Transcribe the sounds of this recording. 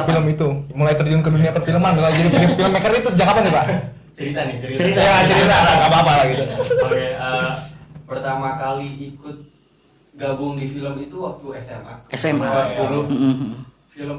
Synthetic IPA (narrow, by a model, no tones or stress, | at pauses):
filəmit̪umulajt̪ərd͡ʒʊnkəduniapərfiləmanmilad͡ʒadifiləmfiləmɛkəɾit̪ʊsəd͡ʒakapaniba | t͡ʃəɾit̪anɪt͡ʃəɾit̪jat͡ʃəɾit̪alaapaːpalaɡit̪uaɛə | pərt̪amakaliːkʊt̪̚ | ɡabʊŋdifiləmit̪uwak̚t̪uɛsɛma̰ɛsɛaulʊ | filəm